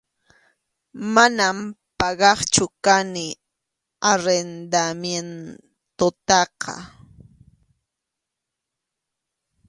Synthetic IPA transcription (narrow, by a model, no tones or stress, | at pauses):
manampɑɢɑχt͡ʃʊkanɪ | aɾend̪amjen | t̪ot̪ɑqɑ̰